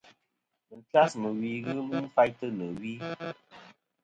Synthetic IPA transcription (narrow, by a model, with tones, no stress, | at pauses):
mɨ˨ta˦smɨ˨wiː˨ɣɨ˦mɨ˦m̩˦fa˦jtɨ˦nɨ˨wiː˦